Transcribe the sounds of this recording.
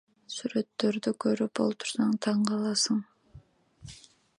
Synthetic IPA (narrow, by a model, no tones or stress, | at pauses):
syɾø̞t̪ːø̞ɾd̪ykʰø̞ɾyp̚bo̞lˠp̚t̪ʰu̥ɾsɑŋt̪ʰɑɴqɑlˠɑsɯɴ